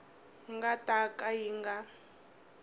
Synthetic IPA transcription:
ŋɡatʼakʼajiŋɡa

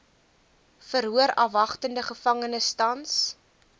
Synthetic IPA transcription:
fəɾɦuəɾɐvɐχtəndəχəfɐŋənəstɐns

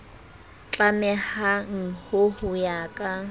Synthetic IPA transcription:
t͡ɬʼamɛhaŋ̩hʊhʊjaːkʼa

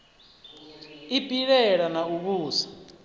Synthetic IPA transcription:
ipʼiɺɛɺanaukuːsḁ

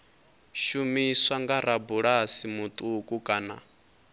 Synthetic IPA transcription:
ʃumiswaŋɡaɾabuɺasimut̪ʼukʼukʼaːna̰

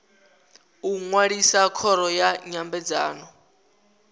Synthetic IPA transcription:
uŋwaɺisakʰɔɾɔjaɲambɛd͡za̰ːnɔ

